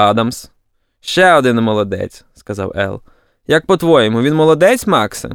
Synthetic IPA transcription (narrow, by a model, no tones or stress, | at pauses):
ɑd̪ɐms | ʃt͡ʃɛɔd̪ɪnmɔlˠɔd̪ɛ̰t͡sʲskɐzɑ̰wɛ̰lˠ | jɐk̚pɔt̪ʋɔjɛmʊʋʲinmɔlˠɔd̪ɛt͡sʲmɑksɪ̰